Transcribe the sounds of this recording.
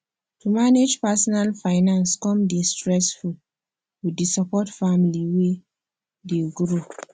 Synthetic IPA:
tumaned͡ʒpasɔnalfaɪnãnskɔ̃mdistɹɛsful | widesɔpɔtfamiliwe | deɡɾo

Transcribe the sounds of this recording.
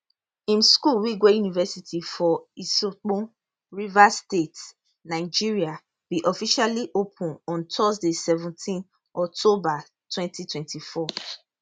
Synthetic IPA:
ĩmskulwiɡwejunivɛsitʰifɔisok͡pũ | ɹivastet | naɪd͡ʒiɹia | b̥iʔɔfiʃaliʔopʰũnɔ̃ntʰɔzdesɛvũntʰĩn | ɔk̚tʰoba | tʰwɛ̃ntitʰwɛ̃ntifɔ

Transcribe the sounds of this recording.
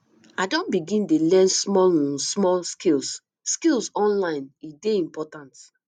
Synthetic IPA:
adɔ̃nbiɡĩndelɛ̃nsmɔlũsmɔlskils | skilsɔ̃nlãɪ̃nideĩmpɔtãnt

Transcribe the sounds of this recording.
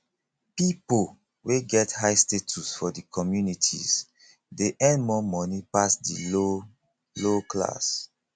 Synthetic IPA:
pipol | weɡɛthajstetʰusfɔdikʰɔmjunitʰḭz | deʔɛ̃ndmɔmɔnipasdḭlo | lokla̰s

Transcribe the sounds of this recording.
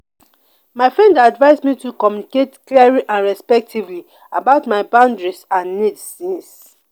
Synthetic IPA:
maɪfɹɛ̃ndaadvaɪsmitukɔmjuniketkliaɹiʔãnɹɛspɛk̚tʰivli | a̰baʊtmaɪbãʊ̃ndɹisãnːitsĩs

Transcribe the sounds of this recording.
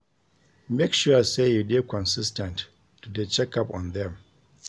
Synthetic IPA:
mekʃusejudekʰɔ̃nsistɛ̃ntː | udet͡ʃɛkapɔ̰̃nðɛ̃m

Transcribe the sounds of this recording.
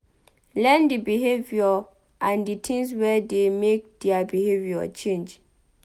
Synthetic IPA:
lɛ̃ndibiɦeviɔ | ʔãnditʰĩŋswɛdemek̚d̥iabiheviɔ̰t͡ʃʰẽnd͡ʒ

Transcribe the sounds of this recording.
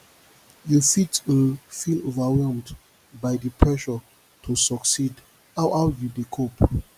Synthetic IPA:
jufitəfilovawɛlmd | bajdəpʰɹɛʃɔ | tʰusɔksid | hawʔawjudikʰop

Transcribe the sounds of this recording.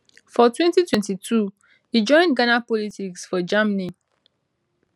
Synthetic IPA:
fɔtwɛ̃ntitwɛ̃ntitʰu | hid͡ʒɔ̃ɪ̃nɡanapɔlitiksfɔd͡ʒamni

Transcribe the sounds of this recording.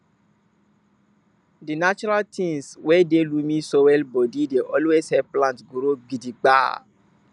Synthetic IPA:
dinat͡ʃuɾaltʰĩŋswɛdelumĩsowɛlbɔdideʔɔlweshɛvplãntɡuɾoɡidiɡ͡ba̰

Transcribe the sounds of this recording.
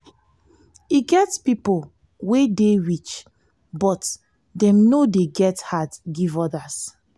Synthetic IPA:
iɡɛtspipol | wedeɹit͡ʃ | bɔt | dɛ̃mnodeɡɛthadɡivɔdas

